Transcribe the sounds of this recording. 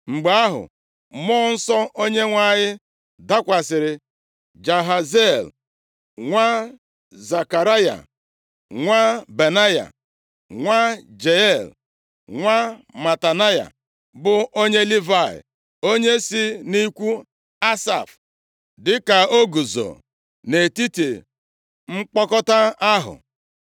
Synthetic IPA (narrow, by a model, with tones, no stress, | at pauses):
ŋ͡m̩˨ɡ͡ba˦a˦ɦʊ̰˨ | mɔ˦n̩˦sɔ˦ʔo˦ɲe˦ŋʷa˦˨ɲɪ˦ | da˦kʷa˨sɪ˨ɾɪ˨ | d͡ʒa˨ɦa˨ze˦˨l | ŋʷa˦ | za˨ka˨ɾa˦ja̰˨ | ŋʷa˦be˨na˦ja̰˨ | ŋʷa˦d͡ʒe˨ɛ˦˨l | ŋʷa˦ma˨ta˨na˦ja̰˨ | bʊ˦o˦ɲe˦li˦va˦˨ɪ̰˨ | o˦ɲe˦si˦ni˦kʷu˦ | a˦sa̰˨f | dɪ˦ka˨o˦ɡu˨zo̰˨ | ne˨ti˦te˨ | ŋ͡m̩˦k͡pɔ˦kɔ˦ta˦a˦ɦʊ̰˨